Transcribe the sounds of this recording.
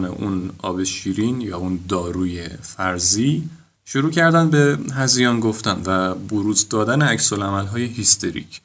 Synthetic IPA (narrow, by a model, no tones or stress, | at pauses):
nḛʔunɒ̰ːbe̞ʃiːɾinjɒːund̪ɒːɾuːje̞fæɾziː | ʃoɾuːcʰæɾd̪ænd̪beɦæzijɒːnɡo̞ft̪ænvæboɾuːzd̪ɒːd̪æneæcsolæmælɦɒːje̞ɦist̪ʰe̞ɾḭːcʰ